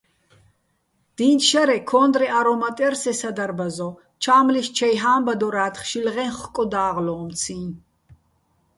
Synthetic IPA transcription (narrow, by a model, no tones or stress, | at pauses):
d̪̥iːnt̪ʃaɾɛkʰɔːnd̪ɾɛʔaɾɔmat̪ʼɛrsɛsad̪aɾbazɔ | t͡ʃʰaːmliʃt͡ʃʰɛjɦaːmbad̪ɔɾaːt̪ʰχʃilʁɛnχkʼɔd̪aːʁlɔːmt̪sʰĩːn